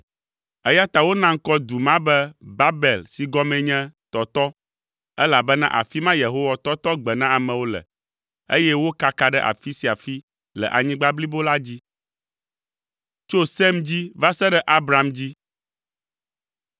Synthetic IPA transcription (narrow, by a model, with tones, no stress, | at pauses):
ɛ˦ja˦t̪a˨wo˦nã˦ŋ̩˦kɔ˦d̪u˨mã˦bɛ˦ba˦bɛ˨lsi˨ɡɔ˦mɛ̃˨ɲɛ̃˦t̪ɔ˨t̪ɔ˦ | ɛ˦la˨bɛ˦nã̰˦ʔa̰˨fi˦mã˦je˨ɦo˦wa˦t̪ɔ˦t̪ɔ˦ɡ͡bɛ˨nã˦a˨mɛ̃˨wo˦lɛ̰˨ | ḛ˦jɛ˦wo˦ka˦ka˨ɖɛ˦ʔa̰˨fi˦si˨a˨fi˦ | lɛ̰˨ʔa̰˨ɲĩ˦ɡ͡ba˦bli˦bo˦la˦d͡ʑi˦ | t͡ʃo˦sɛ˦md͡ʑi˦va˦sɛ˦ɖɛ˦ʔa˦bɾa˨md͡ʑi˦